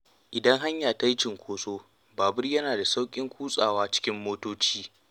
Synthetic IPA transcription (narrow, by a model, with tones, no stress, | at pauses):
ʔɪ˨dɐ˦ŋɦa˦ɲjaː˨ta˦jt͡ʃɪ˨ŋkʷoː˦soː˦ | baː˨bɪ˦rjɐ˦naː˨da˨sa˦wkʲʼɪ˦ŋkʷuː˦sʼaː˨waː˦t͡ʃɪ̥˦kʲɪ˦mːoː˦toː˦t͡ʃiː˦